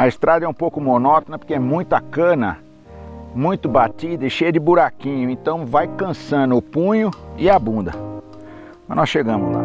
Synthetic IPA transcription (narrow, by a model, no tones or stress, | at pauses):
ɐest̪ɾad̪ɐɛũpowkʊmonɔt̪onɐpoɾkeɛmũj̃t̪ʊɐkɐ̃nɐ̰ | mũj̃t̪ʊbat̪id̪ɐɪʃejɐd͡ʒɪbuɾakĩɲʊẽt̪ɐ̃w̃vajkɐ̃sɐ̃nʊːpũɲʊɪabũnd̪ɐ̰ | mɐznɔsʃeɡɐ̃mʊzla̰